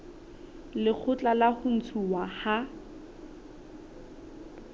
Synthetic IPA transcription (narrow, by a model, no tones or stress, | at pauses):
lɪk͡xʰʊt͡ɬʼalahʊn̩t͡sʰuwaha